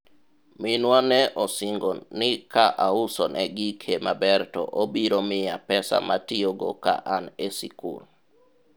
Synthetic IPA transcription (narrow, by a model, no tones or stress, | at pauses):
mɪnwanɛʔɔsɪŋɡɔnɪkaʔaʊsɔnʔɛɡikʰemabɛɾtɔ̰ʔobiɾomɪjapɛsa̰matioɡo̰ka̰ʔanesḭkṵl